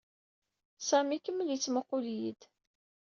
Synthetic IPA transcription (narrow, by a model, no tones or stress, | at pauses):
sæmikəmːljit͡sːməqːʊljid̪